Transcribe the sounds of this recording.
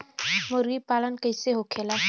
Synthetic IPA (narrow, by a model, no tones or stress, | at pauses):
moɾɡipalənkəjseɦokʰela